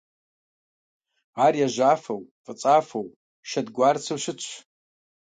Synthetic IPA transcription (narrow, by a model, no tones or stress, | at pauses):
arjaʒʷafawfʼɨt͡sʼafow | ʃadɡʷart͡sʰɨwʃɪt͡ɕʷʰ